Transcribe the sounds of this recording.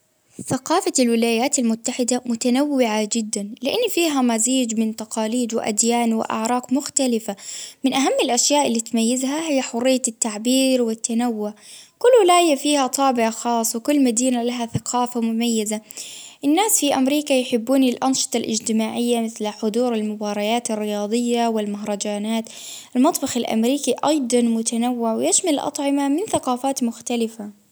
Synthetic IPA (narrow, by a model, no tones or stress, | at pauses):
θaqɑːfalwɪlaːjaːt̪almʊt̪ːaħɪd̪amʊt̪anawːɪʕad͡ʒɪd̪ːanlɪʔanːfiːɦamaziːd͡ʒmɪnt̪ɑqɑːliːd̪wɪ̰ʔa̰d̪jaːnwɪ̰ʔa̰ʕɾˤɑːqmʊxt̪alɪfamɪnʔaɦamːɪlʔaʃjaːʔɪlːit̪majːɪzɦahɪjːaħʊrɪjːat̪ːaʕbiːɾwɪt̪ːanawːʊʕkʊlːwɪlaːjafiːhat̪ˤɑːbɪʕaxɑːsˤːwɪkʊlːmad̪iːnalaɦaθaqʰɑːfamʊmajːɪzaʔɪnːaːsfiʔamɾiːkajħɪbːuːnilʔɑnʃɨ̥t̪ˤɑlʔɪ̰d͡ʒt̪ɪmaːʕɪjːamɪθlħʊd̪ˤuːɾalmʊbɑːɾˤɑjaːt̪ɪrːɪjɑːd̪ˤɨjːawɪlmaɦɾˤɑd͡ʒaːnaːt̪ | ʔɪlmɑt̪ˤbɑxɪlʔa̰mɾiːkiʔɑjd̪ˤɑnmʊt̪ʰanawːɪʕwɪjaʃmalʔɑ̰t̪ˤʕɪmamɪnθaqɑːfaːt̪mʊxt̪alɪfa